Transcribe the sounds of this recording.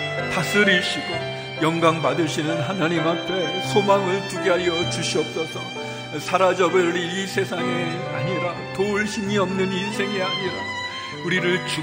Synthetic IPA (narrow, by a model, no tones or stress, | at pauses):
tas͈ɯɾiɭɕ͈iɡo | jʌŋɡaŋpadɯɭɕʰinɯnɦanaɲimɦap͈ʰesʰomaŋɯɭt͡ɕuɡiɦaɾjʌt͡ɕuɕʰiʌp̚s͈ʌsʰʌ | sʰaɾad͡ʑʌbɯɾiisʰe̞sʰaŋeaɲiɾa | touɭɕʰiŋiʌmnɯninsʰe̞ŋiaɲiɾa | uɾiɾɯɭt͡ɕi